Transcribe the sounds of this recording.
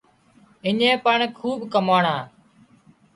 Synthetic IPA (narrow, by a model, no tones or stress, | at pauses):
ɪɲẽːpəɳkʰuːbkəmaːɳãː